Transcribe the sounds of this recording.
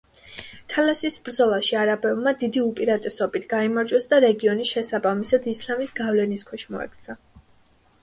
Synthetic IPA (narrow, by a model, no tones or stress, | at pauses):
t̪ʰalasisbɾd̪zɔlˠaʃiaɾabɛvmad̪id̪iupʼiɾat̪ʼɛsɔbit̪ʰɡ̥aimaɾd͡ʒɛsd̪aɾɛɡiɔnisʃɛsabamisad̪islamisɡavlɛniskʰwɛʃmɔɛ̰k̚ʰt̪sʰa